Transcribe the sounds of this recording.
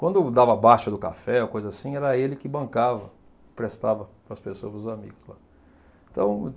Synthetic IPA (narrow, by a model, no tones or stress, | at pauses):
kwɐ̃nd̪ʊd̪avɐabaʃʊd̪ʊkafɛokojzɐasĩɛɾɐelɪkɪbɐ̃ŋkavɐ | pɾest̪avɐpɾɐspesoɐpɾʊzamḭɡʊzla̰ | ɪ̃t̪ɐ̰̃w̃